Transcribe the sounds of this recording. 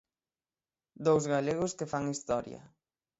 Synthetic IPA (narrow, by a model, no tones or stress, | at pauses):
d̪owzɣaleɣʊskefaŋist̪ɔɾjɐ̰